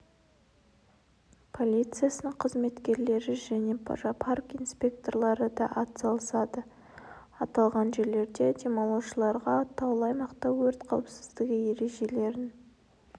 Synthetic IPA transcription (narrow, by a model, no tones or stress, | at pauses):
pʰo̞lʲijt̪sɨjasənəɴqʰəzme̞t̪kʲe̞ɾle̞ɾɪʒæne̞pʰʒpʰarkinspʲe̞k̚t̪o̞rlˠɑɾəd̪ɑʔɑt̪sɑlˠəsɑd̪ə | ɑt̪ɑlˠʁɑnʒe̞ɾle̞ɾd̪e̞d̪ʲemolˠowʃəlˠɑɾʁɑt̪ʰːɑwlˠɑjmɑqt̪ɑwwɵɾt̪qʰɑwˠpsɪzd̪ɪɡʲɪje̞ɾe̞ʒe̞le̞ɾɪn